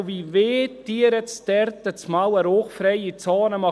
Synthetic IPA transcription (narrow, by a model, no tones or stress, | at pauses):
viveːtiəɾətst̪ɛɾt̪ət͡smawəɾoːχfɾɛjit͡sɑːnəmɑ